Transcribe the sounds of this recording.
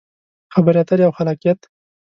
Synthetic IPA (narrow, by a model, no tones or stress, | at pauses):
xabəɾjat̪aɾjawxalakjet̪